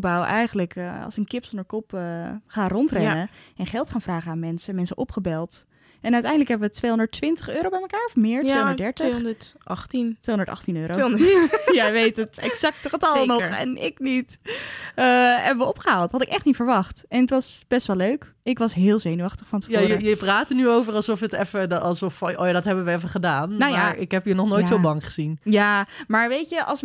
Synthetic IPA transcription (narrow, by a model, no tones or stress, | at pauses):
bawʔɛjχənələkəɑ̰lˠsənkɪpsondəɹkɔpəχaːrɔntrɛnəɛnχɛlˠtχaːnfraːχəaːnmɛnsəmɛnsəʔɔpχəbɛlˠt | ɛnœɥtɛjndələkɦɛbəʋətʋejɦɔ̃ndəɹtʋɪntəχøːɾowbɛjməkaːɹɔfmɪːɹtːeːndədɛɹtəχətɑχtintʋeːɔ̃ndə˞tɑ̰χtinøːɾo | jaʋejtətɛkzɑk̚tχətɑlˠnɔɛ̰nɪ̰knit | əɛbəʋəɔpχəɦaːlˠtɦɑtɪkɛχtnitfəɹʋɑχtɛnətʋɑsb̥ɛstʋɛløɥk | ɪkʋɑsɦɪːlˠzejnyʋɑχtəχfɑntə̥fjjəjəpraːtənyowvəɹɑlˠsɔfətɛfəɑlˠsɔfʔo̰jadɑtɦɛbənʋəɛfəχədaːnnwjjaɹɪkɦɛpjənɔχnojsobɑŋχəz̥injaːmaːɹʋejtəʔɑ̰lˠs